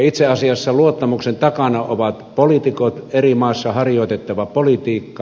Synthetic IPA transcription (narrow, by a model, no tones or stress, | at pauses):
it̪seɑsiɑsːɑluot̪ːɑmuksent̪ɑkɑnɑoʋɑt̪polit̪ikot̪erimɑˑesːɑhɑrjoˑt̪et̪ːɑʋɑpolit̪iːkːɑ